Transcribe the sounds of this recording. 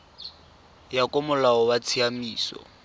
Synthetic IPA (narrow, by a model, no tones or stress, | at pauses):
jakʼʊmʊlaɔwat͡sʰiamiːsɔ̰